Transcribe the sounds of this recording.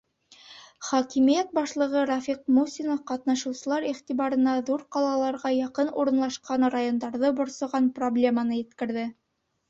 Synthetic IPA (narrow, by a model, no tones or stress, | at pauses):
χɑkimijæt̪̚bɑʃlˠɤ̆ʁɤɾafʲiqmusʲinofqɑt̪nɑʃɤ̆wsɤ̆lˠɑɾiχt̪iβɑɾɤ̆nɑðuɾqɑlˠɑlˠɑɾʁɑjɑqɤnuɾɤ̆nlˠɑʃqɑnrajond̪ɑɾðɤbŏɾsŏʁɑnproblʲe̞manɤjɘ̆t̪kɘ̆ɾðɘ